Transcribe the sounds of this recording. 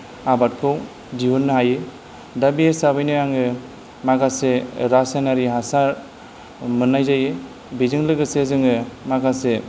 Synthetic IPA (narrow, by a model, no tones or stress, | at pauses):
abat̚kʰɯw | diunːɯɦajɯ | dabiesabɯjnɯjaŋɯ | maɡaseɾasenaɾiɦasaɾ | mɯnːajzajɯ | bizɯŋlɯɡɯsezɯŋɯmaɡase